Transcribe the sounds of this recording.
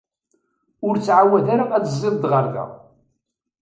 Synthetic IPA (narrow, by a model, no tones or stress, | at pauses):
ʊɾt͡sːʕawæðaɾaæt͡szˤɪðˤd̪ʁəɾðæ̰